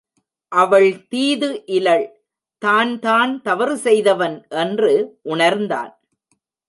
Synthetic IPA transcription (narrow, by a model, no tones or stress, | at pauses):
ʔɐʋɐɭt̪iːðɯʔɪlɐɭ | t̪aːnt̪aːnt̪ɐʋɐɾɯsɛjðɐʋɐnʔɛndrɯʔʊɳɐɾnd̪a̰ːn